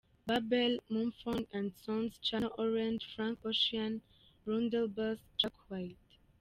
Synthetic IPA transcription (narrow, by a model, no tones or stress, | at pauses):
babɛlmũmfɔ̃nãndsɔ̃nst͡ʃanʔɔɹɛ̃ndfɹãŋkɔʃiãn | ɹɔ̃ndɛlbəst͡ʃakwajt